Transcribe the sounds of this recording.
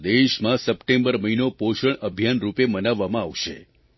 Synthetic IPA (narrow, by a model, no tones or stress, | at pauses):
d̪eʃmãsəpʈembəɾməɦinopoʃəɳəbʱjanɾupemənaʋːamãaʋʃḛ